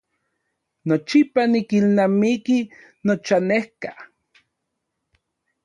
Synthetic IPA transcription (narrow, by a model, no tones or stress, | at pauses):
not͡ʃipanikilnamiki | not͡ʃanehka